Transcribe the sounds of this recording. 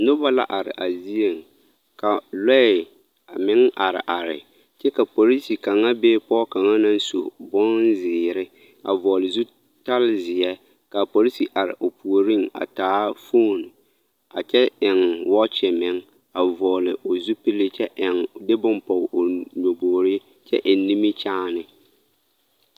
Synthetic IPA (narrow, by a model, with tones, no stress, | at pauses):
nʊ˦ba˦la̰˦ʔa˨ɾɪ̰˨ʔa˨zi˦e˨ŋ | ka˨lɛ˦˨ | a˨mɪ˦ŋʔa˨ɾɪ̰˨ʔa˨ɾɪ̰˨ | t͡ʃɛ˦ka˨po˨ɾi˦si˨ka˨ŋa˦be˦pɔː˦ka˨ŋa˦na˦n˦so˨bɔ˦nzɪː˨ɾɪ˦ | a̰˨vɔ˨lɪ˨zu˦ | ta˦lzɪ˨jɛ˦ | ka˨po˨ɾi˦si˨ʔa˨ɾɪ̰˨ʔʊ˨pu˨o˨ɾi˦˨ŋa̰˨taː˨˦foː˦˨n˨ | a˨t͡ʃɛ˦ɪ˨ŋwɔ˦t͡ʃɪ˨mɪ˦ŋ | a˨vɔː˨lɪ˨ʔʊ˨zu˦pi˦lɪ˦t͡ʃɛ˦ʔɪ˨ŋdɪ˦bʊ˦mpɔ˨ɲo˨boː˨ɾi˦ | t͡ʃɛ̰˦ʔɪ˨nː˦i˦mi˦t͡ʃaː˦nɪ˦